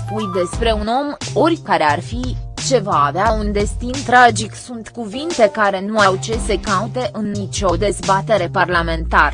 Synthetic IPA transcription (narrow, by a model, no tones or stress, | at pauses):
pujd̪e̞spɾe̞uno̞mo̞rʲkaɾe̞arfit͡ʃe̞vaːveaund̪e̞st̪int̪ɾad͡ʒiksunt̪kuvint̪e̞kaɾe̞nuawt͡ʃe̞se̞kaut̪e̞ʔɨnːit͡ʃo̞d̪e̞zbat̪e̞ɾe̞parlame̞nt̪aɾ